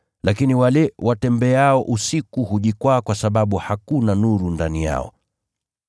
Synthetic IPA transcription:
lakiniwalɛwʔatɛmbɛaɔʔusikuhuʄikwaːkwasaɓaɓuhakunanuɾundanija̰ɔ̰

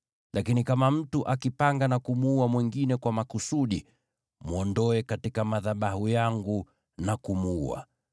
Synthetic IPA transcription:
lʔakinikamam̩tuʔakipaŋɡanakumuuamwɛŋɡinɛkwamakusuɗi | muɔndɔɛkatikamaðaɓahujaŋɡu | nakumuua̰

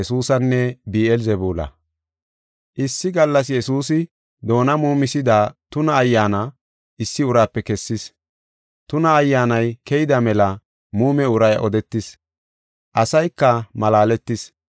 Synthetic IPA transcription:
suːsɐnːɛbiːɛlzɛbuːlɐ̰ | ʔɪsːɪɡɐlːɐs̬jɛsuːsɪ | d̪o̞ːnɐmuːmɪsɪd̪aːt̪ʊnɐːjːaːnɐ | ʔɪsːɪʊɾaːpːɛkɛsːɪs | t̪ʊnɐːjːaːnɐjkɛjɪd̪ɐmɛlɐ | muːmɛʊɾɐjʔɔd̪ɛt̪ːɪs | ʔɐsɐjkːɐmɐlaːlɛt̪ːɪs

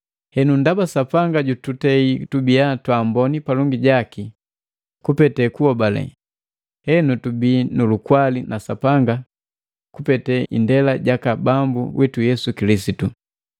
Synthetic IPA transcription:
hɛnundabasapaŋɡaɟututɛitubiatwaːmbɔnipalɔŋɡiɟaki | kupɛtɛkuɔbalɛ̰ | hɛnutubinulukwalinʔasapaŋɡa | kupɛtɛʔḭndɛlaɟakabambṵwʔitujɛsukilisitu

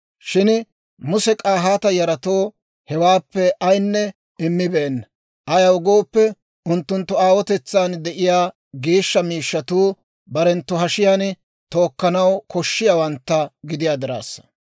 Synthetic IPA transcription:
ʃɪn | mʊsɛkʼaːɦaːt̪ɐjɐɾɐt̪oː | hɛwaːpːɛʔɐjnːɛ | ɪmːɪbeːnːɐ | ʔɐjɐwʊɡo̞ːpːɛ | ʊnt̪ːʊnt̪ːʊaːwɔt̪ɛt͡sːaːnd̪ɛʔɪjaː | ɡeːʃːɐmiːʃːɐt̪uː | bɐɾɛnt̪ːʊɦɐʃɪjaːn | t̪o̞ːkːɐnɐwkʰɔʃːɪjaːwɐnt̪ːɐɡɪd̪ɪjaːd̪ɪɾa̰ːsːɐ̥

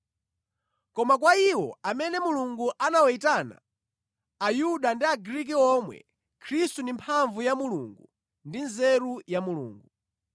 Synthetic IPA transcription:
kɔmak̬waiwɔ̰amɛnɛmuluŋɡuʔanawɛitana̰ː | juɗandiaɡɾik̬iɔmwɛ̰ | kʰɾistundimpʰaɱvujamulṵŋɡu | ndinzɛɾujamulṵːŋɡu

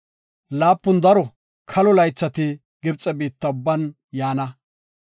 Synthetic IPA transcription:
laːpːʊnd̪ɐɾɔ | kʰɐlɔlɐjt͡sːɐt̪ɪ | ɡɪbt͡sʼɛbiːt̪ːɐʊbːɐn | jaːnɐ

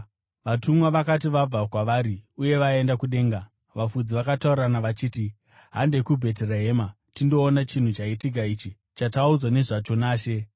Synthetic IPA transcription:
ʋatumwaʋakatiʋab͡vakwaʋaːɾiuje̞ʋae̞ndakuɗe̞ːŋɡa | ʋafud͡ziʋakatauranaʋat͡ʃiːti | ɦa̰nde̞kubʱe̞t̬ereɦeːma | tindo̞ːnat͡ʃin̤ut͡ʃaitiɡ̬ʱait͡ʃi | t͡ʃataud͡zwane̞ʐat͡ʃo̞naːʃe̞

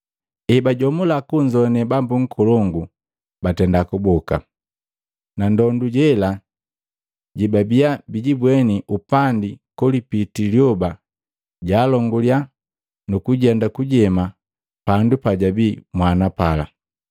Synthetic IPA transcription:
ɛbaɟɔmulakuɲd͡ʒɔnɛbambuŋ̩kʰɔlɔŋɡu | batɛndakubɔka̰ | nandɔnduɟɛla | ɟibabiabiɟibwɛniʔupandikɔlipitiljɔba | ɟaːlɔŋɡulja | nukuɟɛndakuɟɛma | pandupaɟabimwanapala̰

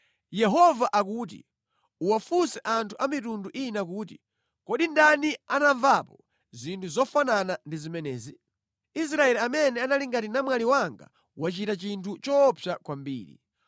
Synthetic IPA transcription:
jɛɦɔvaʔakuːt̬ḭ | uwafusɛʔantʰuʔamitunduʔinak̬uːt̬ḭ | kɔɗindanianaɱvapɔ | zintʰuzɔfananandizimɛnɛːzi | is̬ɾaɛliamɛnɛanaliŋɡatinamwaliwaŋɡa̰ | wat͡ʃitat͡ʃintʰut͡ʃɔpʰjakwambḭːɾḭ

